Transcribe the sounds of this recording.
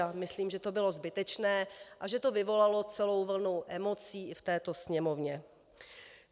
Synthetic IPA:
amɪsliːmʒɛt̪o̞bɪlo̞zbɪt̪ɛt͡ʃnɛːʔaʒɛt̪o̞vɪvo̞lalo̞t͡sɛlo̞wvl̩nuʔɛmo̞t͡siːɪft̪ɛːt̪o̞sɲɛmo̞vɲɛ

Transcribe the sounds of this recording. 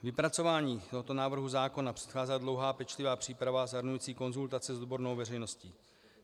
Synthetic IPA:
vɪpɾat͡so̞vaːɲiːt̪oɦo̞t̪o̞naːvr̩ɦuzaːko̞napr̥ɛ̥t̪xaːzɛlad̪lo̞wɦaːpɛt͡ʃlɪvaːpr̥iːpɾavazaɦɾnujiːt͡siːko̞nzult̪at͡sɛzod̪̚bo̞ɾnowvɛrɛjno̞sciː

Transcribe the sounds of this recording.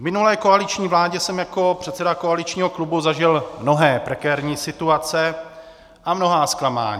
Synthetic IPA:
mɪnulɛːkoalɪt͡ʃɲiːvlaːɟɛsɛmjako̞pr̝̥ɛt̪sɛdakoalɪt͡ʃɲiːɦo̞klubuzaʒɪlmno̞ɦɛːpɾɛkɛːɾɲiːsɪt̪uat͡sɛ | ʔamno̞ɦaːsklama̰ːɲiː

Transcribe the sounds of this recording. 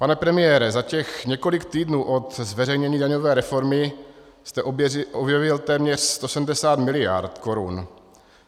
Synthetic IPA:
panɛpɾɛmɪjɛːɾɛzacɛxɲɛko̞lɪkt̪iːdnuːʔo̞t̪zvɛrɛjɲɛɲiːdaɲovɛːɾɛfo̞ɾmɪ | st̪ɛʔʔobjɛvɪlt̪ɛːmɲɛr̝̥st̪o̞sɛmdɛsaːt̪mɪlɪja̰ɾt̪ko̞ɾun

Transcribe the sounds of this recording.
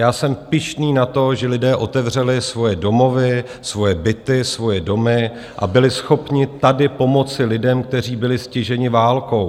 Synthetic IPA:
jaːsɛmpɪʃniːnat̪o̞ʒɛlɪdɛːʔo̞t̪ɛvr̝ɛlɪsvo̞jɛdo̞mo̞vɪ | svo̞jɛbɪt̪ɪsvo̞jɛdo̞mɪ | ʔa̰bɪlɪsxo̞pɲɪt̪adɪpo̞mo̞t͡sɪlɪdɛmk̚t̪ɛr̝iːbɪlɪscɪʒɛɲɪvaːlko̞w

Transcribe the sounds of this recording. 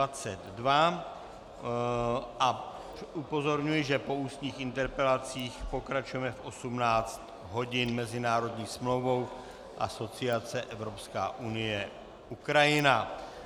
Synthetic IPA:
at͡sɛd̪dva | ʔa | ʔupo̞zo̞ɾɲujɪʒɛpo̞uːst̪ɲiːxɪnt̪ɛɾpɛlat͡siːxpo̞kɾat͡ʃujɛmɛfʔo̞sumnaːt͡st̪ | ɦo̞ɟɪnmɛzɪnaːɾo̞dɲiːsmlo̞wvo̞w | ʔaso̞t͡sɪat͡sɛʔɛvɾo̞pska̰ːʔunɪjɛ | ʔukɾajɪna

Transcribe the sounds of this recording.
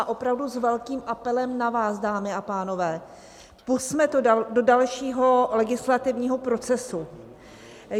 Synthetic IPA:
ʔo̞pɾavduzvɛlkiːmʔapɛlɛmnavaːsdaːmɪapaːno̞vɛː | pusmɛt̪do̞dalʃiːɦo̞lɛɡɪslat̪ɪvɲiːɦo̞pɾo̞t͡sɛsu

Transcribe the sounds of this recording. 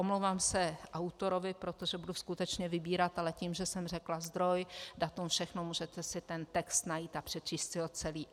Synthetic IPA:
omlowvaːmsɛʔawt̪o̞ɾo̞vɪpɾo̞t̪oʒɛbuduskut̪ɛt͡ʃɲɛvɪbiːɾat̪alɛciːmʒɛsɛmr̝ɛklazd̪ɾo̞jdat̪umfʃɛxnomuːʒɛt̪ɛsɪt̪ɛnt̪ɛkst̪najiːt̪apr̝̥ɛt̪t͡ʃiːst̪sɪot̪t͡sɛliː

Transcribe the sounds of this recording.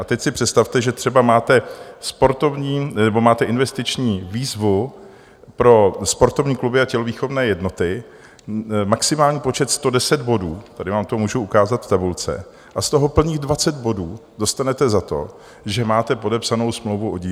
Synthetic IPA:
ʔat̪ɛcsɪpr̝̥ɛt̪st̪aft̪ɛʒɛt̪r̥ɛbamaːt̪ɛspo̞ɾt̪o̞vɲiːnɛbo̞maːt̪ɛʔɪnvɛst̪ɪt͡ʃɲiːviːzvu | pɾo̞spo̞ɾt̪ovɲiːklubɪacɛloviːxovnɛːjɛdno̞t̪ɪ | maksɪmaːlɲiːpo̞t͡ʃɛt̪st̪o̞dɛsɛd̪bo̞duːt̪adɪvaːmt̪omuːʒuukaːzat̪ft̪abult͡sɛ̰ | ʔast̪o̞ɦopl̩ɲiːɣdvat͡sɛd̪bo̞duːdo̞st̪anɛt̪ɛzat̪o̞̰ | ʒɛmaːt̪ɛpo̞dɛpsano̞wsmlowvuʔoɟi

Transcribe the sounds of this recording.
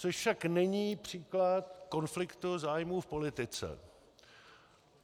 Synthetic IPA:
t͡soʃfʃaknɛɲiːpr̝̥iːklat̪̚ko̞nflɪkt̪uzaːjmuːfpo̞lɪt̪ɪt͡sɛ̰

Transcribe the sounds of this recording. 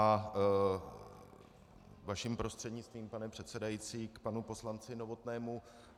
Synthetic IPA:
a | vaʃimpɾo̞st̪r̥ɛdɲɪt͡st̪viːmpanɛpr̝̥ɛt̪t͡sɛdajit͡siːkpanupo̞slant͡sɪno̞vo̞t̪nɛːmu

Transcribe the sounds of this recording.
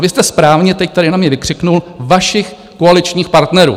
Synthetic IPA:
vɪst̪ɛspɾaːvɲɛt̪ɛct̪adɪnamɲɛvɪkr̝̥ɪknulvaʃɪx | koalɪt͡ʃɲiːxpaɾt̪nɛɾṵː

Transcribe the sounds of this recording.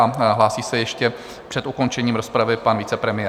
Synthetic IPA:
aɦlaːsiːsɛjɛʃcɛ | pr̥ɛt̪ʔuko̞nt͡ʃɛɲiːmɾospɾavɪpanvit͡sɛpɾɛmɪjɛ

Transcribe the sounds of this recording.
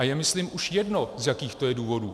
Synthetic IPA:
ajɛmɪsliːmʔuʃjɛdnozjakiːxt̪o̞jɛduːvo̞duː

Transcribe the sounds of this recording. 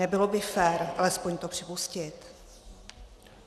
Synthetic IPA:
ɛbɪlobɪfɛːɾʔalɛspoɲt̪opr̥ɪpuscɪt̪

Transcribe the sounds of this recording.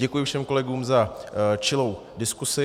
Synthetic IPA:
ɛkujɪfʃɛmko̞lɛɡuːmzat͡ʃɪlo̞w | dɪskusɪ

